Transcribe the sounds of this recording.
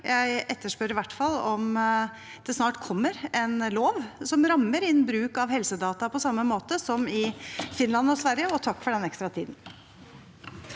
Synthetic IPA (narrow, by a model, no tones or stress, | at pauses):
jʔæɪʔɛt̪ːəʂpœɾɪʋæʈːfɑlːɔm | d̪̥ɛsnɑːʈkʰɔmːəɾɛnloːʋsɔmɾɑmːəɾɪnbɾʉːkɑʋhɛlsəd̪ɑːt̪ɑpʰɔsɑmːəmoːt̪əsɔmɪfɪnlɑnɔsʋæɾjəɔt̪ʰɑkːfɔɖɛnɛkst̪ɾɑt̪ʰḭːd̪n̩